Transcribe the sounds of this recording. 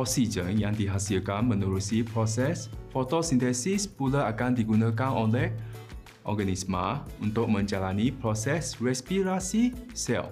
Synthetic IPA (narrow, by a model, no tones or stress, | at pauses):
ɔsid͡ʒə̃njãŋdiɦasilkanmə̃nuɾusipɾɔsɛsfɔt̪ɔsint̪ɛsispulaakandiɡunãkanɔnlɛh | ʔɔ̰ɡanismãunt̪ʊk̚mə̃ɲd͡ʒalanipɾɔsɛsɹɛspiɾasisɛ̰lf